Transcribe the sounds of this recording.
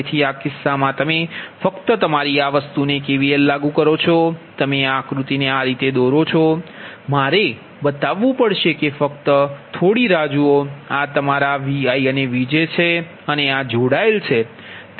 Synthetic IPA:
t̪ʰiakɪsːamãt̪əmefəkt̪ət̪əmaɾiaʋəst̪unekeʋiellaɡũkəɾot͡ʃʰɔt̪əmeakɾut̪ineaɾit̪ed̪ɔɾot͡ʃʰɔmaɾe | bət̪aʋːũpəɽʃekefəkt̪ət̪ʰoɽiɾad͡ʒuoat̪əmaɾaʋiaiəneʋid͡ʒet͡ʃʰe | ənead͡ʒoɽaelt͡ʃʰe | t̪

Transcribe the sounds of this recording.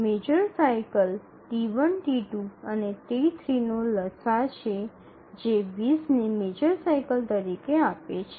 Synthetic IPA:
med͡ʒəɾsajkəl | ʈiʋənʈiʈuənet̪eit̪ʰɾinoləsat͡ʃʰe | d͡ʒeʋisnemed͡ʒəɾsajkəlt̪əɾikeapet͡ʃʰe

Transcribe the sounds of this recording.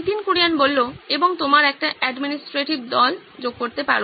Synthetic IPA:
t̪inkuɽijanbolːoeboŋt̪omaɾɛk̚ʈaʔɛɖminisʈɾeʈibd̪ɔl | d͡ʑoɡ̚koɾt̪epa̰ɾ

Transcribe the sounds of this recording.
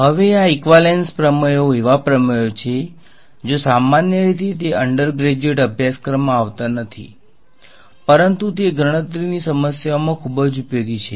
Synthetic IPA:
ɦəʋeaikʋalenspɾəməjoeʋapɾəməjot͡ʃʰe | d͡ʒosamanjəɾit̪ʰit̪̬eʔəɳɖəɾɡɾed͡ʒeʈəbʱjaskɾəmaaʋt̪anət̪ʰḭ | pəɾənt̪ut̪eɡɾəɽ̃ət̪ɾinisəməsjaomãkʰubəd͡ʒupjoɡit͡ʃʰe

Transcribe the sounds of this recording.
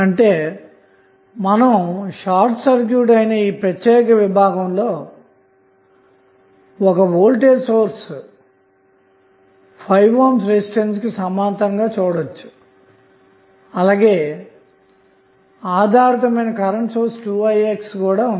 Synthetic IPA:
ɐɳʈe̞ː | mɐnɐmʃaːɾʈsɐɾkjuːʈɐjnɐiːpɾɐt̪jɛːɾikɐʋibʱaːɡɐmlo̞ː | ɔkɐʋoːlʈeːɾsoːɾs | pʰɐjʋʋɐmsɾesʈenskisɐmaːnt̪ɐŋɡaːt͡ʃuːɽot͡ʃːu̥ | ɐlaːɡe̞ː | aːd̪ʱaːɾɐt̪ɐmɐjnɐkɐɾɐɳʈsoːɾsʈuːɐjekskuːɽaːun

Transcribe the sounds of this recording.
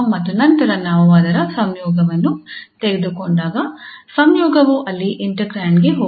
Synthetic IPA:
mɐt̪ːunɐnt̪ɐɾɐnaːmɐʋaːd̪ɐɾɐsɐmjɔːɡɐʋɐnːut̪eɡed̪ukoɳɖaːɡɐsɐmjɔːɡɐʋuʔɐlːiʔiɳʈɐkɾaːɳɡe̞ɦoː

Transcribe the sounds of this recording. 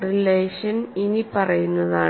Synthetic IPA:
rileːʂɐninipɐrɐjunːɐðaː

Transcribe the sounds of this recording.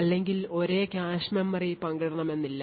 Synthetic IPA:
ɐlːe̞ŋɡilo̞ɾe̞ːkaːɕmɐmːɐripɐŋɡɐɽɐɳɐme̞nːilːɐ

